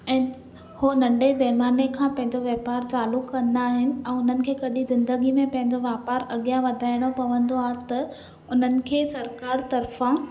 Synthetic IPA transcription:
ɛ̃ː | honɐ̃ɳɖebɐɦɪmaːnekʰãːpɐ̃ɦɪ̃ɲd͡ʑoʋeːpaːɾt͡ɕaːlʊkːɐ̃nd̪aːɦɪnɪ̆ɛ̃ːʊn̤ənɪ̆kʰeːkɐɗizɪ̃nd̪əɡimẽpɐ̃ɦɪ̃ɲd͡ʑoʋaːpaɾɐɠijaʋɐd̪ʱaːɪɽ̃opɐʋə̃nd̪oaːɦet̪ɐ | ʊn̤ənɪ̆kʰeːsɐɾkaːɾt̪ɐɾfã

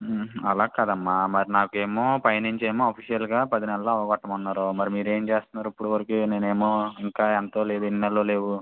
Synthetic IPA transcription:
ɐlaːkad̪ɐmːaːmɐɾinaːkue̞ːmoːpɐjniɲt͡ʃeːmoːaːpʰiʂjɐlɡaːpɐd̪inɛlɐloːɐʋɐɡɐʈːɐmunːaːɾomɐɾimiːɾe̞ːmt͡ʃe̞ːst̪unːaːɾuipːuɽuʋɐɾɐkuneːne̞ːmoːiŋkaːɛnt̪o̞ːle̞ːd̪uininɛlɐloːle̞ːwu

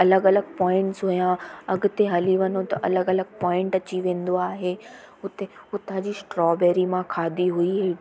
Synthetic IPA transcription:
ɐləɡɐləɡpɔ̃ːɪ̃ɳʈsɦʊjãɐɡʊt̪eɦɐliʋɐnot̪ɐʔɐləɡɐləɡɪpɔ̃ːɪ̃ɳʈɐt͡ɕiʋẽːn̆d̪oaːɦeː | ʊt̪eʊt̪ãd͡ʑiːsʈɾɔːbeːɾimãkʰaːd̪iɦuiɦeː

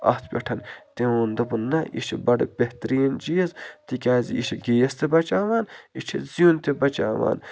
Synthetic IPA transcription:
ɐ̰st̪ʰpʲɐ̰ʈʰɐnt̪eond̪ɐbunːɐʔiʃʰibɐɽɐ̰bʲeht̪ɐɾiːnd͡ʒijɐzt̪ikʲaːzḭiʃiɡijɐst̪ebɐt͡ʃaːʋaːnit͡ʃʰḭzijunt̪ebɐt͡ʃa̰ːʋa̰ːn

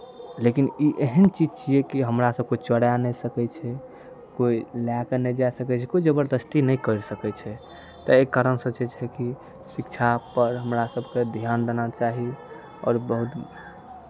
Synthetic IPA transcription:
lekiniʔeɦənt͡ʃid͡ʒt͡ʃiɛkiɦəmɾasəb̚koit͡ʃəɽjanɛsəkɛt͡ʃʰɛ | koilakənɛd͡ʒasəkɛt͡ʃʰɛkoid͡ʒəbəɾd̪əst̪inɛjkəɾsəkɛt͡ʃʰɛ | t̪ɔekːaɾənsət͡ʃɛt͡ʃʰɛki | sikt͡ʃʰapəɾɦəmɾasəbʱked̪ʱjand̪enat͡ʃaɦi | ɔ̰ːɾbəɦut̪

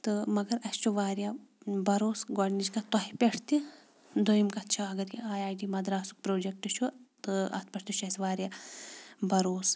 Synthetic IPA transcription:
t̪ɨmɐɡɐɾɐst͡ʃʰuʋaːɾjabɐɾoːsɡɔɖnid͡ʒkat̪ɔɦipʲeʈʰt̪i | d̪ojimkɐtt͡ʃʰaɐɡɐɾjiaːjaːjɖimɐd̪ɾaːsu̥k̚pɾoːd͡ʒek̚ʈɨt͡ʃʰut̪ɨɐ̰t̪̚ʰpʲɐʈʰt̪iʃʰɐsʋaːɾʲjaː | bɐɾoːs

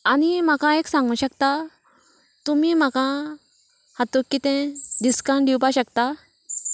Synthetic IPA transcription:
anim̤akãeksãŋɡuɕəkt̪a | t̪umiːm̤akã | hat̪okːit̪ẽɖiskãɳɖɖʱiwpaɕəkt̪a

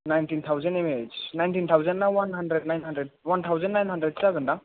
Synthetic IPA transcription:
najntint̪ʰawzənemed͡ʒnajntint̪ʰawzənːawanɦandɾed̚najnɦandɾed̚want̪ʰawzənːajnɦandɾed̚saɡɯnda

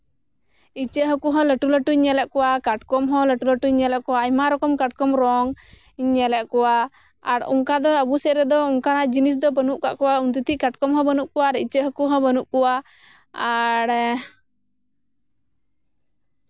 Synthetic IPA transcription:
it͡ʃəʔɦɔkuɦɔ̃ləʈuləʈuɲːɛlɛʔkɔwakaʈkɔmɦɔ̃ləʈuləʈuɲːɛlɛʔkɔwaːɲmaɾɔkɔmkaʈ̚kɔmɾɔŋ | iɲːɛlɛʔkɔwa | aɽṵŋkad̪ɔəbusɛʔɾɛd̪ɔuŋkanad͡ʒinis̬d̪ɔbənuʔka̰ʔkɔwaunt̪̬ut̪iʔkaʈkɔmɦɔ̃bənuʔkɔwaːɾḭt͡ʃəɦəkuɦɔ̃bənuʔkɔwa | aɽ

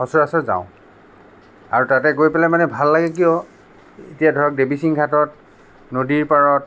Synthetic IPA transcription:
ɔsɔɹasɔtza̰ʊ̃ | aɹutatɛɡojpɛlɛmanɛbʱalːaɡɛkijɔ | etijadʱɔɹɔk̚debisiŋɡʰʱatɔt̚ | nodiɹpaɹɔt̚

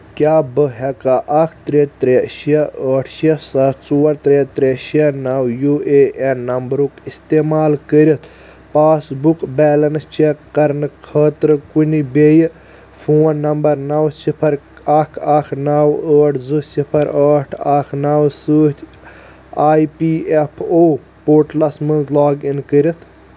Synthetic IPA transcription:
kʲaːbəɦɛkaʔɐkʰt̪ɾet̪ɾeʃiɐəːʈʰʃiɐsat͡suːɐɾt̪ɾet̪ɾeʃiɐnawjuːeʔenɐmbɾukist̪emaːlkəɾʲit̪ | paːsbukbeːlɐnt͡ʃeqɐɾnɨkʰəːt̪ɾɨkunibej | fʰoːnːɐmbɐɾnɐwsipʰɐɾ | ɐkʰɐkʰnawəːʈʰzɨsipʰɐɾəːʈʰaknawsəːt̪ʲʰ | aːjpiːepʰoː | poːʈlɐsmɨnzlaːɡinkəɾʲit̪ʰ

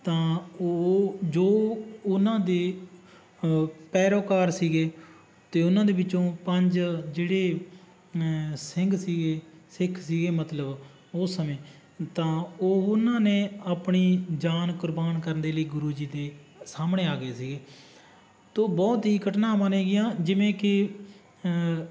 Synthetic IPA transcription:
t̪ãːoːd͡ʒoːʊnãːd̪eː | pɛːɾoːkaːɾsiːɡeː | t̪eːʊnãːd̪eːbɪt͡ʃːõːpəɲd͡ʒd͡ʒeːɽeː | sɪŋɡsiːɡeːsɪkʰsiːɡeːmət̪ləb | osːəmẽː | t̪ãːoːʊnãːneːaːpɳiːd͡ʒaːnkʊɾbaːnkəɾnd̪eːləiːɡʊɾuːd͡ʒiːd̪eː | saːmɳẽːaːɡeːsiːɡeː | t̪oːbɔːt̪ɦiːkəʈnãːmaneːɡɪjãːd͡ʒɪʋẽːkɪ

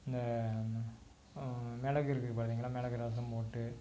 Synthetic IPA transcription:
ɪnd̪ɐ | mɛɭɐɣɯɪɾɯkːɯkːʊːɽɐðiːŋɡɐɭːaːmɛɭɐɣɯɾɐɐs̬ɐmpoːʈːɯ

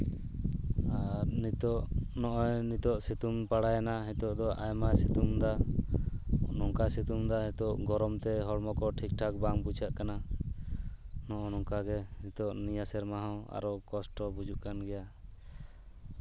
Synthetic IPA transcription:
aɾnit̪ɔʔnɔʔɔjnit̪ɔʔsit̪umpaɽajanaɦɛt̪ɔʔd̪ɔʔajmasit̪umd̪a | nɔŋkasit̪umd̪aɦɛt̪ɔʔɡɔɾɔmt̪ɛɦɔɽmɔkɔʈʰik̚ʈʰakbaŋbut͡ʃaʔkana | nɔʔɔnɔŋkaɡɛnit̪ɔʔnijasɛɾmaɦawa̰ɾɔkɔsʈɔbud͡ʒuʔkanɡɛja

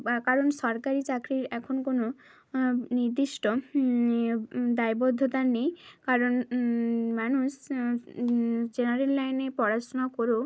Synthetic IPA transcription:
kaɾonʃɔɾkaɾit͡ɕakɾiɾɛkʰonkono | niɾd̪iʃʈo | d̪ajbod̪ʱːot̪aɾnejkaɾon | manuʃ | d͡ʑenaɾelːajnepɔɾat͡ɕonakoɾo

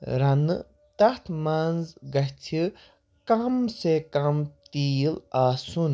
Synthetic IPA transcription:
ɾɐnɨ̰ | t̪ɐt̪ʰmanzɡɐhtʰi | kɐmsekɐmt̪ijilaːsun

